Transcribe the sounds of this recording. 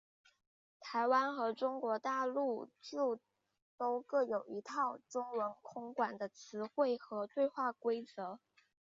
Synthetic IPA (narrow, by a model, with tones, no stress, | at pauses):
t̪ʰa˧˥ɪwa˥nxɤ˧˥ʈ͡ʂʊ˥ŋkwɔ˧˥t̪a˥˧lu˥˩t͡ɕjo˥˩ʊ | t̪o˥ʊkɤ˥˩jo˨˩ʊi˧˥t̪ʰɑ˥˩ʊʈ͡ʂʊ˥ŋwə˧˥nkʰʊ˥ŋkwa˨˩nd̪ə˦t͡sʰɹ̩˧˥xwe˥˩ɪxɤ˧˥t̪we˥˧ɪxwa˥˩kwe˥ɪt͡sɤ˧˥